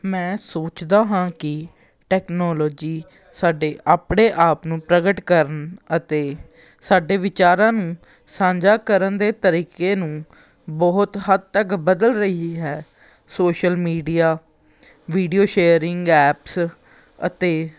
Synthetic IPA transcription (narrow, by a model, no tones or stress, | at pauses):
mɛ̃ːsoːt͡ʃd̪aːɦãːkɪ | ʈɛːknɔːlɔːd͡ʒiː | saːɖeːʔaːpɳeːʔaːpnũːpɾəɡəʈkəɾənət̪eː | saːɖeːʋɪt͡ʃaːɾãːnũː | sãːd͡ʒaːkəɾənd̪eːt̪əɾiːkeːnũː | bɔːt̪ɦəd̪̚t̪əkbəd̪əlɾəiɦɛː | soːʃəlmiːɖijaː | ʋiːɖijoːʃeːəɾɪŋɡɛːps | ə̰t̪eː